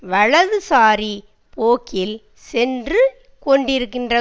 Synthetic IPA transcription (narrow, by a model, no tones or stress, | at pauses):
ʋɐɻɐðɯsaːɾi | poːkːɪl | sɛndrɯ | kɔɳɖɪɾɯkːɪndrɐ